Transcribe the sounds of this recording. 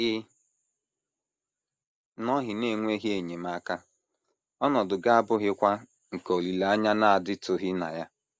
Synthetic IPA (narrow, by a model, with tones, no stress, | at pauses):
ɪ˦ | nɔ˦ɦɪ˨ne˨˦˨ŋʷ˦e˦ɦi˦e˨ɲe˨ma˦ka˦ | ɔ˦nɔ˨dʊ˨ɡa˦a˦bʊ˦ɦɪ˦kʷa˦ | ŋ̩˨ko˨li˨la˨a˦ɲa˦na˦a˨dɪ˦tʊ˨ɦɪ˦na̰˨ja˦